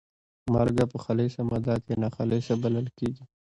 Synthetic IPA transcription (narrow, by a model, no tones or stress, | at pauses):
malɡapəxaleʃamɐd̪akenaxaleʃabɐləlkeːɡi